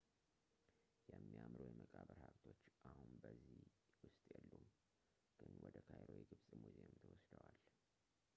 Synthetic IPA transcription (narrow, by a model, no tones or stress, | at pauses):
jɛmːijamɾojɛməkʼaβəɾhaβt̪ʰo̞t͡ʃːʔahunbəzːiwʊst̪ʼjɛlːum | ɡ̥ɨnwɔd̪əkʰajɾojiɡɨβsʼmuzemt̪ʰəwɔsd̪əwal